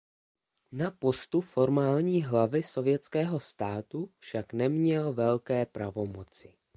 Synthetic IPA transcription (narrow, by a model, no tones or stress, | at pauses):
napo̞st̪ufo̞ɾmaːlɲiːɦlavɪso̞vjɛt͡skɛːɦo̞st̪aːt̪ufʃaknɛmɲɛlvɛlkɛːpɾavo̞mo̞t͡sɪ